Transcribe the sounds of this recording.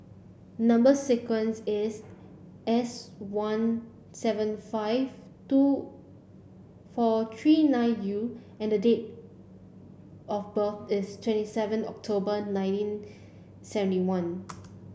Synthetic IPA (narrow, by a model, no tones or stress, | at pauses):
nãmbəsɛkwə̃nsɪs | ɛswãn | sɛvə̃nfaɪv | tu | fɔt̪ʰɹinãɪj̃nju | ɛ̃ndədet̚ | ɔfbəθɪstʰwɛ̃ntisɛvə̃nɔ̰k̚tʰobənãɪ̃ntĩn | sɛvə̃ntiwãn